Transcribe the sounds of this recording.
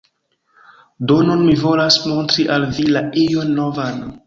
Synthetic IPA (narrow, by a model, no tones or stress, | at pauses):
donunmivo̞lasmo̞ntɾiʔalvilaijonːovan